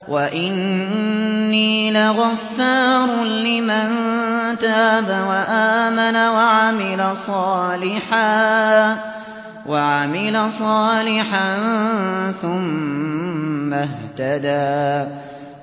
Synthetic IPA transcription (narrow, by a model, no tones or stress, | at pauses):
wʔaʔɪnː | iːlɪɣafːɑɾˤlɪmant̪aːbawaʔaːmanawaʕamɪlasˤɑːlɪħaː | waʕamɪlasˤɑːlɪħan | θʊm | aht̪ad̪aː